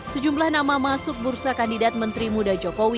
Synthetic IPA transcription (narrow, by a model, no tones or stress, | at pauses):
səd͡ʒumlahnamamasʊk̚bursakandidat̪̚mənt̪ɾimudad͡ʒɔkowi